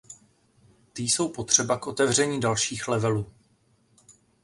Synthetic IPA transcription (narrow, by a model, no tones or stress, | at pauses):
t̪ɪjso̞wpo̞t̪r̝̥ɛbakʔo̞t̪ɛvr̝ɛɲiːdalʃiːxlɛvɛluː